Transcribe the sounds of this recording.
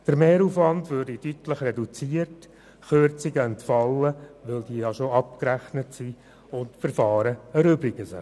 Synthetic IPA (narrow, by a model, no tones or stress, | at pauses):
d̥əɾmeːɾuːfʋɑndʋøːɾdidytləχrɛdut͡siːərt | χøɾt͡siɡəɛntfɑlːəʋɪld̥iəjɑʃoɑp̚kɾæχnətsiː | ʊntfəɾfɑːɾəəɾʏbɾɪɡəsə